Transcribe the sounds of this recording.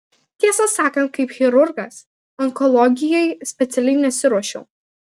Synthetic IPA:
t̪ʲiɛsɐsɑːkɐ̃nt̪̚kɐɪpxʲɛɾʊɾɡɐs | ɐŋkɔlˠɔɡʲɪjɛɪsʲpʲɛt̪sʲɛlʲɛɪnʲɛsʲɪɾuɔʃʲɛʊ

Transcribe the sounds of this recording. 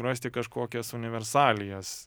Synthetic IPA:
ɾɐsʲt̪ʲɪkɐʃkoːkʲɛsʊnʲɪʋʲɛɾsɑːlʲɪjɛs

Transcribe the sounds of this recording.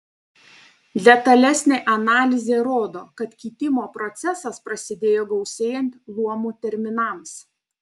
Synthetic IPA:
d̪ʲɛt̪ɐlʲɛsʲnʲeːʔɐnɑːlʲɪzʲeːɾoːd̪oːkɐt̪kʲɪːt̪ʲɪmoːpɾɔt̪sʲɛsɐspɾɐsʲɪd̪ʲeːjoːɡɒʊsʲeːjɛnʲt̪lˠuɔmuːt̪ʲɛɾʲmʲɪnɐˑms

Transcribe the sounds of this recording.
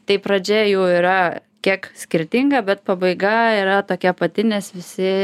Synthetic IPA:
t̪ɐɪpɾɐd͡ʒʲɛjuːiːɾɐkʲiɛksʲkʲɪɾʲt̪ʲɪŋɡɐbʲɛt̪̚pɐbɐɪɡɐiɾɐt̪oːkʲɛpɐt̪ʲɪnʲeːsʋʲɪsʲɪ

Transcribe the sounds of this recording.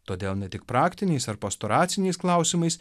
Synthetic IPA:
t̪oːd̪ʲeːlˠnʲɛt̪ʲɪkpɾɑːkt̪ʲɪnʲɛɪsɐɾpɐst̪oːɾɑːt̪sʲɪnʲɛɪsklˠɐˑʊsʲimɐɪs

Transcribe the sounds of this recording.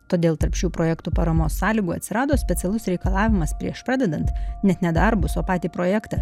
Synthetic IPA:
t̪oːd̪ʲeːlˠt̪ɐɾpʃʲuːpɾoːjɛkt̪uːpɐɾɐmoːsːɑːlʲiːɡuːɐt̪sʲɪɾɑːd̪oːsʲpʲɛt̪ʲɛlˠʊsɾʲɛɪkɐlˠɑːʋʲɪmɐspʲɾʲiɛʃpɾɑːd̪ʲɛd̪ɐnt̪nʲɛt̪nʲɛd̪ɐɾbʊsoːpɑːt̪ʲiːpɾoːjæːkt̪ɐ

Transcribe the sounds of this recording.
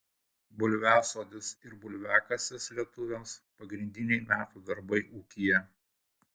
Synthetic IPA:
bʊlʲʋʲæːsoːd̪ʲɪsɪɾbʊlʲʋʲæːkɐsʲɛslʲiɛt̪ʊʋʲɛmspɐɡɾʲɪnʲd̪ʲɪnʲɛɪmʲæːt̪uːd̪ɐɾbɐɪʔuːkʲijɛ

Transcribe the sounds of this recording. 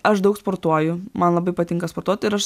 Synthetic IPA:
ɐʃd̪ɐʊkspoːɾt̪uɔjʊmɐnlˠɐbɐɪpɐt̪ʲɪŋkɐspoɾt̪uɔt̪ʲɪɾɐʃ

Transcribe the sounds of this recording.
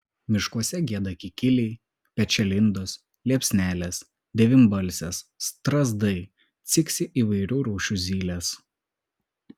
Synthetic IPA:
mʲɪʃkuɔsʲɛɡʲiɛd̪ɐkʲɪkʲɪlʲɛɪ | pʲɛt͡ʃʲɛlʲɪnd̪ɔs | lʲiɛpʲsʲnʲæːlʲɛs | d̪ʲɛʋʲɪmʲbɐlʲsʲɛst̪ɾɐzd̪ɐɪ | t̪sʲɪksʲɪʔiːʋɐɪɾʲuːɾuːʃʲuzʲiːlʲeːs

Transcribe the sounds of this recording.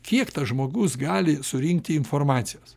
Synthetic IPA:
kʲiɛkt̪ɐʒmoːɡʊsɡɑːlʲɪsʊɾʲɪŋk̚t̪ʲɪɪnfoːɾmɑːt̪sʲɪjoːs

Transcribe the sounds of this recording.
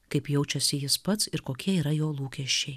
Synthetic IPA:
kɐɪpjɛʊt͡ʃʲɛsʲɪjɪspɐt̪sɪɾkoːkʲiɛiːɾɐjoːlˠuːkʲɛʃʲt͡ʃʲɛɪ

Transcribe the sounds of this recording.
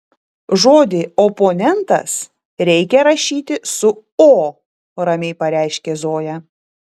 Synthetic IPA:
ʒoːd̪ʲɪopoːnʲɛnt̪ɐ̰s | ɾʲɛɪkʲɛɾɐʃʲiːt̪ʲɪsʊ | oː | ɾɐmʲɛɪpɐɾʲæˑɪʃʲkʲezoːjɛ

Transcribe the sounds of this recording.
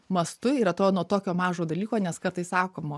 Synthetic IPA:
mɐst̪ʊiːɾɐt̪oːnuɔt̪oːkʲoːmɑːʒoːd̪ɐlʲiːkoːnʲɛskɐɾt̪ɐɪssɑːkoːmo

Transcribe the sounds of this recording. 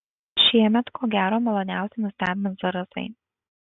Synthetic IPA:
ʃʲiɛmʲɛt̪kʰoːɡʲæːɾoːmɐlˠoːnʲæˑʊsʲeɪnʊsʲt̪æːbʲɪmʲɪnsʋɐɾɐsɐ̰ɪ

